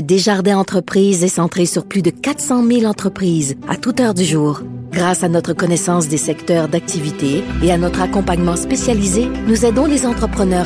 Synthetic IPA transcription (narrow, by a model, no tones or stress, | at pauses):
d̪eʒaʁd̪ɛ̃ɑ̃t̪χəpχiːzɛsɑ̃t̪χesyʁplyd̪əkat̪sɑ̃milɑ̃t̪χəpχiːza̰t̪ut̪œʁd̪yʒuːʁɡʁasanɔt̪χəkɔnɛsɑ̃s̬d̪esɛkt̪œːʁd̪ak̚t̪ʰivit̪eeanɔt̪χakɔ̃paɲmɑ̃spesjalizenuzɛd̪ɔ̃lezɑ̃t̪χəpχənœːʁ